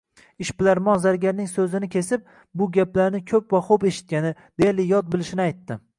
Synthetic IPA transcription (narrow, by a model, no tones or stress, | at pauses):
ɪʃbɪlaɾmɒnzaɾɡʲaɾnɪŋsɵzɪnɪkʲʰesɪp̚ | bʊɡʲaplaɾnɪkʲʰɵpvaχope̞ʃɪ̥t̪̚kʲanɪd̪̥elɪjɒt̪̚bɪlɪʃɪnɪajt̪ːɪ